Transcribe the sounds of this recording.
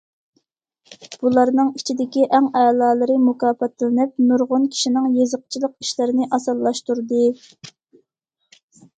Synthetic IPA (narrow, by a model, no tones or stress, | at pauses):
b̥ulˠɑɾnɨŋit͡ʃʰid̪ɪkʲiʔæŋɛlˠɑːlˠɨɾɨmukɑːpɛt̪ɪlɪnɪp̚nuɾʁʊnkʲʰi̥ʃinɪŋjezəq̚t͡ʃʰilˠəqi̥ʃlɪɾɪnɪʔɑsɑlˠːɑʃt̪uɾd̪ɨ